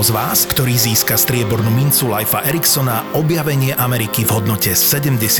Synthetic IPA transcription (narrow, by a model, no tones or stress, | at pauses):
zʋaːskt̪ɔɾiːziːskast̪ɾɪɛbɔɾnumint͡sulajfaʔɛɾiksɔnaʔɔbjaʋɛɲɪɛʔamɛɾikivɦɔd̪nɔcɛɛɟɛmɟɛs